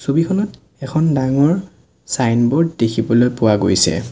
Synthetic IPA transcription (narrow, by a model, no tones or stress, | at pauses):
sobikʰɔnɔt | ɛkʰɔndaŋɔɹ | sajnbɔɹddekʰibɔlojpʊwaɡojsɛ̰